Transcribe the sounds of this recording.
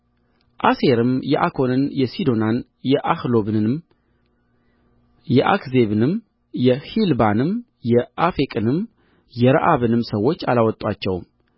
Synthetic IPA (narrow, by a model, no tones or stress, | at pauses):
ʔase̞ɾɨmjɛʔakʰo̞nɨnjɛsid̪o̞nan | jɛʔahlo̞bɨɨm | jɛʔa̰kze̞βɨnɨm | jɛhilbanɨm | jɛʔafekʼɨnɨm | jɛɾaʔaβɨnɨmsəwːo̞t͡ʃːa̰lawɔt̪ʼwat͡ʃːɛwm